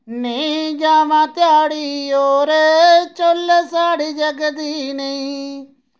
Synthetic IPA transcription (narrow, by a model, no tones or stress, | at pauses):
nĩːd͡ʒaːʋãːt̪ɪjaːɽiːoːɾet͡ʃolːəsaːɽid͡ʒəɡd̪iːnəĩ